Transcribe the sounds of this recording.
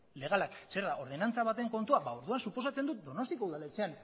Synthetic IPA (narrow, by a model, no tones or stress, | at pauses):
le̞ɣ̞alakse̞ɾðaʔo̞ɾð̞e̞nant͡saβ̞at̪e̞ŋko̞nt̪uaβaoɾðuansupo̞sat͡se̞nd̪ut̪̚d̪o̞no̞st̪ikouðale̞t͡se̞an